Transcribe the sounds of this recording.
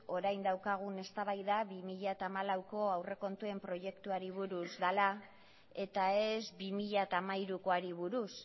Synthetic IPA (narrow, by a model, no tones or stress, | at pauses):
o̞ɾajnd̪awkaɣ̞une̞st̪aβajðaβimiʎat̪aːmalawko̞awre̞ko̞nt̪ue̞mpɾo̞je̞kt̪uaɾiβ̞uɾuzðala | e̞t̪ae̞zbimiʎat̪aːmaiɾukoaɾiβuɾus